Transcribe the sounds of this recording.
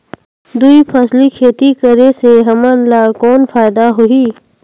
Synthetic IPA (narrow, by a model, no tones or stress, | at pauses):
d̪uipʰɐslikʰeːt̪ikəɾeseɦɐmənlakɔːnfaːɪd̪aɦoiː